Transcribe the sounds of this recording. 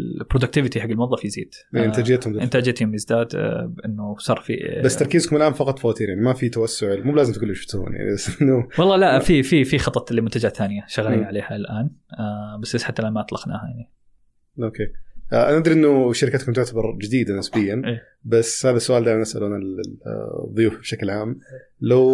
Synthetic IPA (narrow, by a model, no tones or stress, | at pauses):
pɾod̪ʊk̚t̪ɪvɪt̪iħaɡːɪlmʊwðˤːɑfjɪzḭːd̪̥ʔeːɪnt̪aːd͡ʒjeːt̪hʊmʔɪnt̪aːd͡ʒaːt̪hʊmjɪzd̪aːd̪bʔɪnːʊsˤɑːɾˤfḭbasːt̪ɑɾˤkiːzkʊmɪlʔaːnfɑqɑt̪ˤfawaːt̪iːɾjaʕnimafit̪awasːʊʕɪlmuːblaːzɪmt̪ɡʊlːʊʃʊ̥ft̪hṵːnja̰ʕnḭbasʔɪnːʊwɑlˤːɑːlaʔfififixɑt̪ˤːɑt̪lɪlmʊnt̪ad͡ʒaθaːnɪjaʃaɣliːnʕaleːhalʔaːnabasbasħat̪ːalamaʔɑt̪ˤlɑxna̰ːhajaʕni | ʔoːkeːʔʔanɪd̪ɾiʔɪnːʊʃaɾɪkat̪kʊmt̪̬ʊʕt̪abɑɾˤd͡ʒɪd̪iːd̪anɪsbɪjːanʔeː | bashaːðasːʊʔaːld̪aːjmanɪsʔaluna | ðˤːʊjuːfbʃaklʕaːm | law